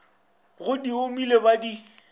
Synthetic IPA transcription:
ɣʊdiomilebadi

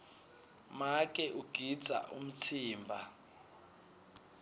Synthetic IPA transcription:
mak̬ʼɛʔuɡ̥ʱid̥d͡z̥ʱa̰ʔṵm̩t͡sʰiːmbʱa̰

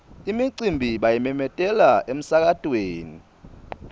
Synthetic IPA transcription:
imiǀimbʱiɓajimɛmɛtʼɛlaʔem̩sak̬atʼweːni

